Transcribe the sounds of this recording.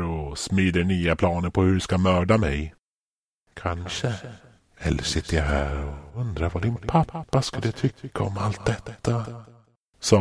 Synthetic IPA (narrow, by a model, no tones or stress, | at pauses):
ɾɔsmyːd̪əɳyːapʰlɑːnəɾpʰɔhɵskamœːɖamɛj | kʰanʂə | ɛ̰lːəʂɪt̪ːəɾjaɦæːɾɔɵnd̪ɾaɾvad̪ɪnpʰapːaskɵlːət̪ʰʏkːaɔmalt̪̚d̪ɛt̪ːa | sɔ